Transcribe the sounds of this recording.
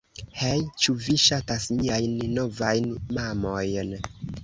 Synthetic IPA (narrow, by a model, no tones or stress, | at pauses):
hejt͡ʃuviʃatasmiajnːovajnmamojn